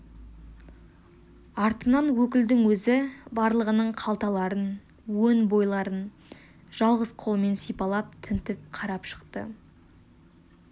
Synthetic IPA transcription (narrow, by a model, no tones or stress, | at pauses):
ɑɾt̪ənɑnwɵkʲɪld̪ɪŋwɵzɪbɑɾlˠəʁənəɴqʰɑlˠt̪ɑlˠɑɾən | wɵnbo̞jlˠɑɾən | ʒ̥ɑlˠʁəzqʰo̞lˠəme̞nsijpɑlˠɑp̚t̪ʰɪnt̪ɪp̚qʰɑɾɑpʃə̥qt̪ə̰